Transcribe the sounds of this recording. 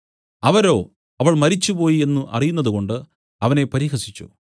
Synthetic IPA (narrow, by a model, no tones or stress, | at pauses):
ɐʋɐɾo̞ː | ɐʋɐɭmɐɾit͡ɕːupo̞ːjie̞nːuʔɐ̰rijunːɐðuko̞ɳɖɨ | ɐʋɐne̞pɐɾiːɦɐsi̥t͡ɕːṵ